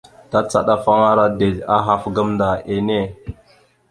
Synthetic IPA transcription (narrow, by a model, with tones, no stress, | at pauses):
ta˦t͡sa̰˦ɗa˦fa˦ŋa˦ɾa˦de˨la˦ɦa˦fɡa˦mnda˨ʔe˨ne˦˨